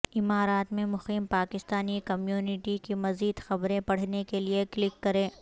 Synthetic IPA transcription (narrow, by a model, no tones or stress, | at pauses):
ɪmaːɾaːt̪mẽmʊxiːmpaːkɪst̪aːnikɐmjuːnɪʈikimɐziːd̪xɐbɾẽpɐɽ̤nekelieklɪkːɐɾẽː